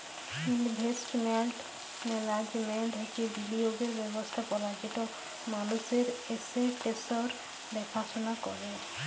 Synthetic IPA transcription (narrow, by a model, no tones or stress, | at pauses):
inbʱesʈmeɳʈ | melad͡ʑmeɳʈɦekib̪ilioɡeɾbɛbost̪ʰapɔɾad͡ʑit̪o | manuseɾeseʈesoɾ | bɛpʰat͡ʃonakɔɾe